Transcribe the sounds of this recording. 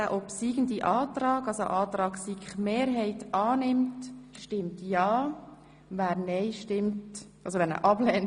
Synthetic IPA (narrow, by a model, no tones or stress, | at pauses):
aʔɔpsiːɡən̩diʔɑːtrɑːɡɑlso̰ʔɑːt̪ɾɑːksiːkχmeːɾɦɛɪtɑːnɪmtʃtɪmtjɑː | ʋæːɾnɛɪʃtɪmtʔɑlsoʋɛnə̰ʔɑb̥lɛn